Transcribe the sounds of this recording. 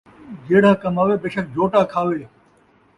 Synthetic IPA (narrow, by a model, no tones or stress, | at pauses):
d͡ʒeːɽ̤aːkɐmaːʋeːbeːʃək̚d͡ʒʱoːʈaːkʰaːʋeː